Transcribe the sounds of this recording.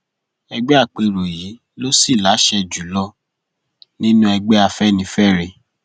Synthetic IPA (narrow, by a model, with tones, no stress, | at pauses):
ɛ˧ɡ͡bɛ˦a˦˨k͡pe˧ɾo˨jiː˨˦ | lo˦si˦˨la˨˦ʃɛ˧d͡ʒu˨˦lɔ˧ | nĩ˦nũ˦ɛ˧ɡ͡bɛ˦a˧fɛ˦˨nĩ˨˦fɛ˦˨ɾe˧